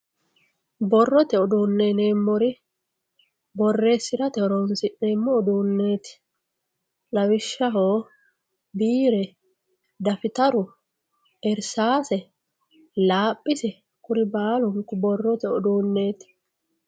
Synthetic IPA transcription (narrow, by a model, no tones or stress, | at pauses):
bɔrːɔt̪ɛɔd̪uːnːeːneːmːɔɾɪ | bɔrːe̞ːsːɪɾɐt̪ɛɔɾɔnsɪʔneːmːɔɔd̪uːnːe̞ːt̪ɪ̥ | lɐwɪʃːɐɦoː | biːɾɛ | d̪ɐfɪt̪ɐɾʊ | ɛɾsaːsɛ | laːpʼːɪsɛ | kʊɾɪbaːlʊŋkʊbɔrːɔt̪ɛɔd̪uːnːe̞ːt̪ɪ̥